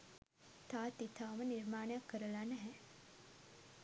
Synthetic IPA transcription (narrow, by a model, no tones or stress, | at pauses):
t̪aːt̪it̪ʰaːməniɾmaːnəjakːəɾəlanɛɦɛ